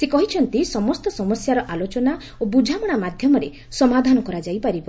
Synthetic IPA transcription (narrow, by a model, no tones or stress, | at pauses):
sekɔɦit͡ʃʰɔnt̪isɔmɔst̪ɔsɔmɔsjaɾɔʔalot͡ʃɔna | obud͡ʒʱamɔɽ̃amad̪ʱjɔmɔɾe | sɔmad̪ʱanɔkɔɾad͡ʒajpaɾibɔ